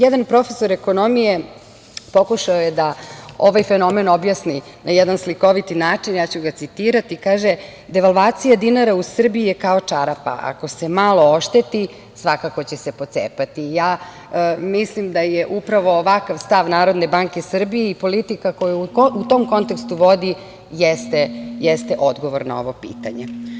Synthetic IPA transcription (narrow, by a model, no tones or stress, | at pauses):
jɛd̪anpɾo̞feso̞ɾeko̞nomije | po̞kuʃaojed̪aoʋajfeno̞meno̞bjasni | najɛd̪ansliko̞ʋit̪inaːt͡ʃinjaːt͡ɕuɡat̪sit̪iːɾat̪ikaːʒe | d̪e̞ʋalʋaːt̪sijad̪inaɾausr̩biijekao̞t͡ʂaɾapa̰ʔa̰ko̞semalo̞oʃt̪et̪i | sʋakako̞t͡ɕesepo̞t̪sḛpat̪ijaː | mislimd̪ajeʔupɾaʋo̞ːʋakaʋst̪aʋnaːɾo̞d̪ne̞baŋke̞sr̩bijeipo̞lit̪ikako̞jaut̪omko̞nt̪ekst̪uʋo̞d̪i | jest̪ejɛst̪eʔod̪ɡo̞ʋo̞ɾna̰o̞̰ʋo̞pḭːt̪aɲḛ